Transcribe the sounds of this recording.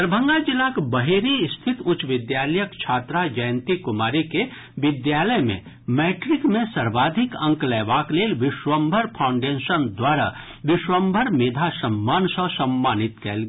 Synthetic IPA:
əɾbʱə̃ŋɡad͡ʒɪlːakbəɦeɾist̪ʰɪt̪ʊt͡ʃʋɪd̪jaːləjəkt͡ʃʰaːt̪ɾad͡ʒəjə̃nt̪ikʊmaːɾike | ʋɪd̪jaːləjmḛ̃ | mɛːʈɾɪkmẽsɐɾbaːd̪ʱɪkə̃ŋklɛːʋaːkleːlʋɪʃwəmbʱəɾpʰaʊ̃ɳɖeʃənd̪waːɾa̰ | ʋɪʃwəmbʱəɾmeːd̪ʱasəmːaːnsə̃səmːaːnɪt̪kɛ̰ːlɡ

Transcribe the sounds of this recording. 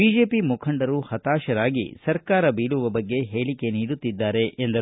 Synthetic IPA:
biːd͡ʒe̞ːpimukʰɐɳɖɐɾuhɐt̪aːʃɐɾaːɡḭsɐɾkaːɾɐbiːluʋɐbɐɡːe̞ɦeːɭike̞niːɽut̪ːid̪ːaːɾe̞ʔend̪ɐ

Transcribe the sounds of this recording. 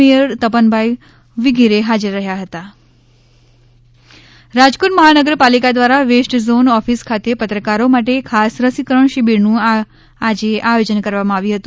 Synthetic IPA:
ijəɾt̪əpənbʱaj | ʋiɡiɾeɦad͡ʒəɾːəɦjaɦət̪a | ɾad͡ʒkuʈməɦanəɡəɾpalikad̪ʋaɾaʋesʈzonɔfiskʰat̪epət̪ɾəkaɾomaʈ̬ekʰasɾəsikɾəɳʃibiɾnũ | ad͡ʒeʔajod͡ʒənkəɾʋamãaʋjĩɦət̪ũ

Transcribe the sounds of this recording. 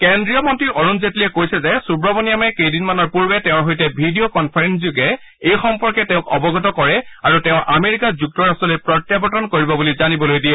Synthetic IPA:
kendɹijɔmɔntɹiʔɔɹunzetlijɛkojsɛzɛsubɹɔbɔnijamɛkejdinmanɔɹpuɹbɛtɛʊ̃ɹɦojtɛbʱidiokɔnpʰaɹenzjuɡɛ | ejxɔmpɔɹkɛtɛʊ̃kɔ̰bɔɡɔtɔkɔɹɛaɹutɛʊ̃ʔameɹikazuk̚tɔɹastɔlojpɹɔtjabɔtɔnkoɹibɔbulizanibɔlojdiɛ

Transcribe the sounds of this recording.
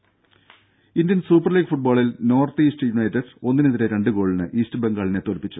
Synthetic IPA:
indjɐnsuːpːɐrliːɡfuʈ̚boːɭilno̞ːrt̪iːstɨjunɐjtːɐɖo̞nːineðiɾeɾe̞ɳɖɨɡo̞ːɭinɨʔiːstɨbe̞ŋɡaːɭine̞t̪o̞lpːit͡ɕːu̥

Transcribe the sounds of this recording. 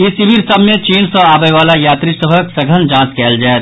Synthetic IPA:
ɪsibiɾsəbmẽt͡ʃiːnsɔ̃aːbəjʋaːlajaːt̪ɾisəbʱəksəɡʱənd͡ʒãːskɛːld͡ʒaːɛt̪

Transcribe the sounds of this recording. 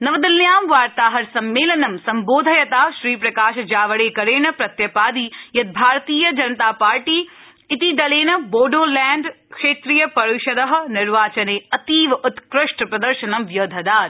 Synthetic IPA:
nɐʋd̪ɪljaːmʋaːɾt̪aːɦɐɾsɐmːeːlɐnɐmsɐmboːd̪ʱɐjɐt̪aːʃɾiːpɾɐkaːʃɐd͡ʒaːʋɐɽeːkɐɾeːɳɐpɾɐt̪jɐpaːd̪iːjɐt̪̚bʱaːɾt̪iːjɐd͡ʒɐnɐt̪aːpaːɾʈiː | ɪt̪id̪ɐleːnɐboːɖoːlɛːɳɖkʃeːt̪ɾijɐpɐɾuʃɐd̪ɐɦɐ̆nɪɾʋaːt͡ʃɐneːɐt̪iːʋʊt̪kɾɪʃʈɐpɾɐd̪ɐɾʃɐnɐmjɐd̪ʱɐd̪aːt̪

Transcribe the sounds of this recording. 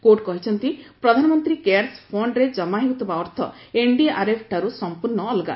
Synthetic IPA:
koʈkɔɦit͡ʃʰɔnt̪ipɾɔd̪ʱanɔmɔnt̪ɾikeɾspʰoɳɖɾed͡ʒɔmaɦiut̪ɔbaɔɾt̪ʰɔ̰ | eɳɖiaɾepʰʈʰaɾusɔmpuɾɳɔːlɡa̰

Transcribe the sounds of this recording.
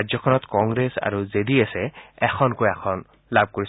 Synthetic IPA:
zɔkʰɔnɔtkɔŋɡɹesa̰ɹuzediasɛɛxʰɔnkojakʰɔn | lab̚ʱkoɹis

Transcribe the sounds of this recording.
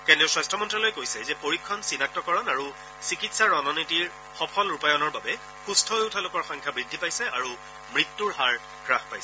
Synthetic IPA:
kɛndiʊsɹastʰɔmɔntɹalojkojsɛzɛpoɹikʰːɔnsinak̚tɔkɔɹɔnaɹu | sikitsaɹɔnɔnitiɹ | xɔpʰɔlɹupajɔnɔɹbabɛ | xustʰɔoʊtʰalʊkɔɹxɔŋkʰabɹidʱːipajsɛaɹu | mɹitːuɹɦaɹ | kɹaxpajsɛ

